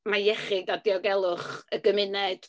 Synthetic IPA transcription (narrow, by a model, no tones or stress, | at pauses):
majɛχɪdadɪɔɡɛlˠʊχəɡəmɪnɛd̥